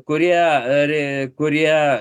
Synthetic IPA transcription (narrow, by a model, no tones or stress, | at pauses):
koɾijaɾekoɾija